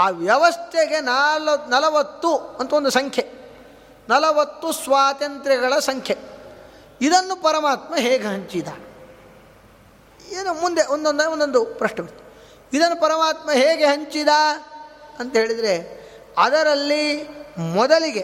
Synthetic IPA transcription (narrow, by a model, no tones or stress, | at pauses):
aːʋjɐʋɐst̪ʰeɡe̞nalɐnɐlɐʋɐt̪ːuɐnt̪ɐond̪usɐŋkʰje | nɐlɐʋɐt̪ːusʋaːt̪ɐnt̪ɾɐɡɐɭɐsɐŋkʰje | id̪ɐnːupɐɾɐmaːt̪mɐɦeːɡeɦɐɲt͡ʃid̪a̰ | eːnumund̪eʔond̪ond̪ɐond̪ond̪upɾɐʂɳɐpɐɾt̪ːɐ | id̪ɐnːupɐɾɐmaːt̪mɐɦeːɡeɦɐɲt͡ʃid̪aː | ɐnt̪ɐɦeːɭid̪ɐɾe | ɐd̪ɐɾɐlːimɔd̪ɐliɡe